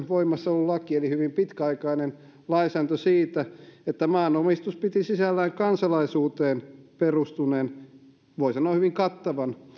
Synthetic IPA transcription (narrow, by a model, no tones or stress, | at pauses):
ʋoimːˑɑsːɑolːullɑkielihyʋimpit̪kæɑikɑinen | lɑisæːnt̪øsiːt̪æet̪ːæmɑːnomist̪uspit̪isisælːæːŋkɑnsɑlɑisuːt̪eːnperust̪uneːn | ʋoisɑnoɑhyʋiŋkɑt̪ːɑʋɑn